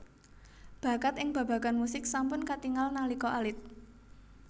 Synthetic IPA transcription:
b̥ä̤kat̪ɪŋb̥ä̤b̥ä̤ɡanmusɪksampʊnkat̪iŋalnalikɔʔalɪt̪̚

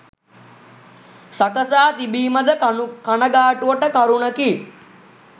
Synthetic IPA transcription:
sakəsaːt̪ibiːməd̪əkanəɡaːʈuʋəʈəkɐɾuɳəki

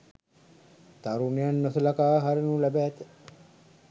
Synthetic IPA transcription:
t̪aɾunejanːosəlakaːɦaɾenulæbæːt̪ə

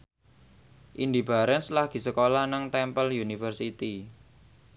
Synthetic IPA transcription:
ʔind̪ib̥a̤ɾɛnslahɡ̥i̤səkolanaŋt̪ɛmpəljunifərsit̪i

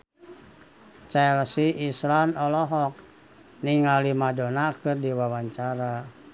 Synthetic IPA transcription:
t͡ʃɛlsiislanɔlɔɦɔk̚ | niŋalimadɔnakɨrdiwawaɲt͡ʃaɾa

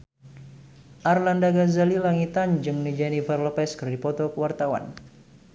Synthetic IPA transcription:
ʔarlandaɡazalilaŋit̪and͡ʒɨŋnid͡ʒɛnivarlɔpɛskərdipɔt̪ɔkəwart̪awa̰n

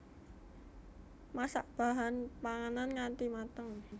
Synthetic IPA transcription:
masa̰ʔb̥a̤ɦanpaŋananŋant̪imat̪əŋ

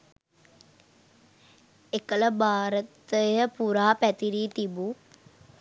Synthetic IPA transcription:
ekələbʱaːɾət̪əjəpuɾaːpæt̪iɾiːt̪ibu

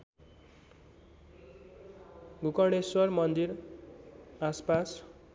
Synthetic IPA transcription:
ɡukʌɽ̃eswʌrmʌnd̪iɾ | aspas

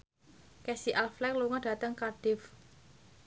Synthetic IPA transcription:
kɛsiʔalflɛkluŋɔɖ̥ä̤t̪əŋkarɖ̥ɪf

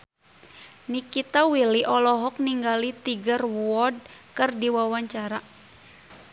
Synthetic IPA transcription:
nikit̪awiliʔɔlɔɦɔk̚niŋɡalit̪iɡərwɔd̚kɨrdiwawaɲt͡ʃaɾa

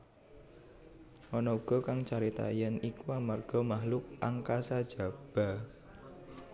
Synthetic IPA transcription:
ʔɔnɔuɡ̥ɔ̤kaŋt͡ʃaɾit̪a̰jənikuwamarɡ̥ɔ̤mahlʊk̚ʔaŋkasad̥ʒ̥a̤b̥a̤

